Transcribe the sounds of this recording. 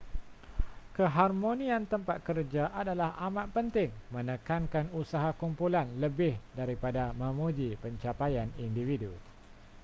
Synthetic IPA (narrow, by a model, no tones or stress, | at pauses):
kəɦarmõnĩãnt̪əmpat̪̚kərd͡ʒaʔadalahamãt̪̚pənt̪ɪŋmə̃nəkankanusaɦakumpulanləbɪhdaɾipadamə̃mud͡ʒipəɲt͡ʃapajanindividu